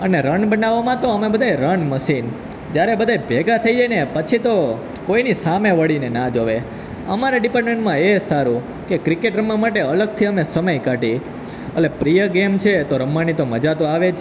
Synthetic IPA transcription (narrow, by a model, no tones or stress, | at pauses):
əneɾəɳbənaʋːamãt̪oəmebəd̪ʱajɾəɳməʃin | d͡ʒjaɾebəd̪ʱajbʱeɡat̪ʰəid͡ʒajnepət͡ʃʰit̪o | koinisameʋəɽinenad͡ʒoʋe | ə̰maɾaɖipaɾʈmẽɳʈmãesaɾũ | kekɾikeʈɾəmːãmaʈeələɡ̚t̪ʰiəmesəməjkaʈi | əlepɾijəɡemt͡ʃʰet̪oɾəmːanit̪oməd͡ʒat̪oaʋet͡ʃʰ